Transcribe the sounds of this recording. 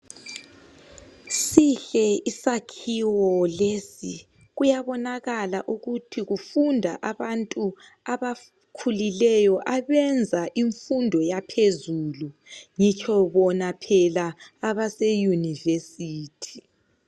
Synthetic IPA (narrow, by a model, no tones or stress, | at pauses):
siɬɛisakʰiwɔlesi | ɣujaβɔnaɣalaʔuɣutʰiɣufundʱa̰ʔaβantʼu | aβa | kʰulilɛjɔʔaβɛnd͡zʱaʔiɱfundʱɔjapʰezuluŋit͡ʃʰɔβɔnapʰɛlaːβasɛjunivesiːtʰi̥